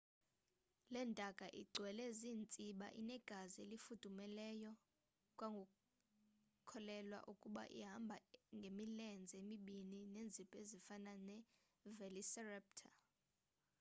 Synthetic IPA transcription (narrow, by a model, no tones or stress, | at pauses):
lɛntʼakʼaʔḭɡ͡ǀʱwɛlɛziːnt͡sʼiɓa̰ʔḭnɛɡ̥ʱazielifud̥ʱumɛlɛjɔ | kʼwaŋɡʱu | kʰɔlɛlwa̰ʔukʼuɓa̰ʔḭɦambʱaŋɡʱemilɛnd͡zʱemiɓinineːnd͡zʱipʼezifananɛ | vɛlisɛrɛp̚tʰa